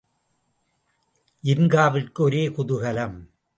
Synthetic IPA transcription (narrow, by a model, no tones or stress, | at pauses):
ʔɪnɡaːʋɪrkɯɔɾeːkʊðʊɣɐlɐm